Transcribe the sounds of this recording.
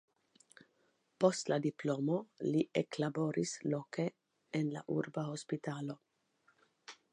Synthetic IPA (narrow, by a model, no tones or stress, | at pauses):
post̪lad̪iploːmoliʔeklaboɾisloke | enla̰ʔṵɾbahospit̪aːlo